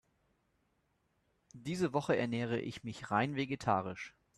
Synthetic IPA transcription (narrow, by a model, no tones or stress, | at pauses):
d̥iːzəvɔχəɛɐnɛːʁ̞ə̰ʔɪ̰çmɪçʁaɪnveɡetʰaːʁɪʃ